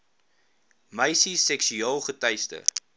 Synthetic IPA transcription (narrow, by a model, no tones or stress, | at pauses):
mɐjsisɛksyɑːlˠχətɐjstə̰